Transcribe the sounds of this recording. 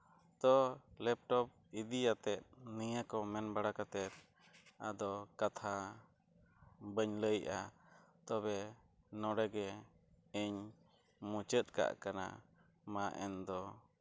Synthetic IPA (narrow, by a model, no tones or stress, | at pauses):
t̪ɔlɛp̚ʈɔp̚id̪ijat̪ɛt̪̚nijakɔmɛnbaɽakat̪ɛɾ | ad̪ɔkat̪ʰa | bəɲləjʔa̰t̪ɔbɛ | nɔɽɛɡɛ | iɲ | mũt͡ʃət̪̚ka̰ʔkana̰ | maʔɛnd̪ɔ